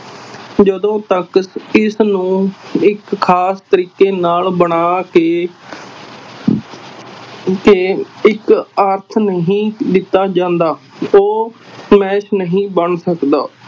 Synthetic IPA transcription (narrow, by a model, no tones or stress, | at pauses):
d͡ʒəd̪õːt̪əkɪsnũːɪkːʰaːst̪əɾiːkeːnaːlbəɳaːkeː | keɪkəɾt̪ʰnəɦĩːd̪ɪt̪ːaːd͡ʒãːnd̪aːoːmɛːʃnəɦĩːbəɳsəkd̪aː